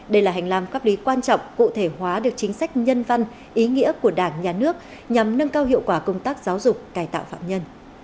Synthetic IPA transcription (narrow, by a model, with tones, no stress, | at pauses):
ɗə˧jlaː˨˩ɦa˨˩jŋ̟laː˧mfaː˦˥p̚li˨˦kwaː˧nt͡ɕɔ̰˧˨wŋ͡mkṵ˧˨t̪ʰe˧˩hwaː˨˦ɗɨ˨˩ək̚t͡ɕï˨˦ŋ̟sa˦˥jk̟̚ɲə˧nva˧n | ʔi˨˦ŋḭ˧˥əku˧˩əɗaː˧˩ŋɲaː˨˩nɨ˦˥ək̚ | ɲa˨˩mnə˧ŋkaː˧wɦḭ˧˨əwkwaː˧˩kə˧wŋ͡mt̪aː˦˥k̚zaː˨˦wzʊ˨˩k͡p̚kaː˧˩jt̪a̰ː˧˨wfa̰ː˧˨mɲə˧n